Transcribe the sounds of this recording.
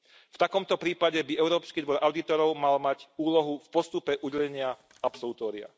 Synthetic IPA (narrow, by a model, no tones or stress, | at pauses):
ft̪akɔmt̪ɔpɾiːpaɟɛbiɛʊɾɔːpskiːd̪ʋɔɾʔaʊd̪it̪ɔɾɔʊmalmaɟuːlɔɦufpɔst̪upɛʔuɟɛʎɛɲɪa | apsɔlut̪ɔːɾia̰